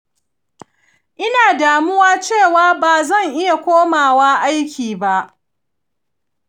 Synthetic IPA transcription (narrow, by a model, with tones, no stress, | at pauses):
ʔɪ˦naː˨daː˨mʊ˦waː˦t͡ʃeː˦˨waː˦baː˨zɐ˦˨ŋʔɪ˦ja˨kʷoː˦maː˨waː˦ʔa˦jkʲiː˨ba˦ʔ